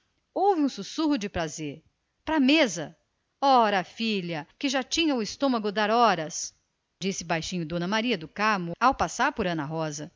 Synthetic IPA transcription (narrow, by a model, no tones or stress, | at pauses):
owvɪũsusuhʊd͡ʒɪpɾazeɾ | pɾɐmezɐ | ɔɾɐfiʎɐkɪʒat͡ʃĩɲɐʊɪst̪õmɐɡʊd̪aɾɔɾɐs | d͡ʒisɪbajʃĩɲʊd̪õnɐmaɾiɐd̪ʊkamʊawpasaɾpʊɾɐ̃nɐɦɔzɐ